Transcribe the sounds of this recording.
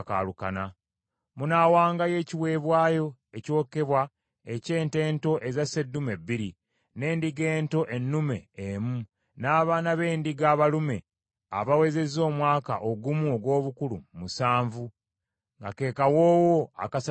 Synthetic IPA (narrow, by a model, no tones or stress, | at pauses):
ka̰ːlukana | munawaːŋɡaje̞ːciwe̞ːβwaːjo̞eco̞ːke̞βwa | e̞ce̞ːnte̞ːnto̞ʔe̞zasedːume̞bːiɾi | ne̞ːndiɡe̞ːnto̞ʔenːume̞̰ːmu | naːβaːnaβe̞ːndiɡaːβalume̞ | a̰βawe̞ze̞zoːmwaːka̰ʔoɡumuoɡwo̞ːβukulṵmusaːɱvu | ŋɡake̞ːkawoːwoa̰kas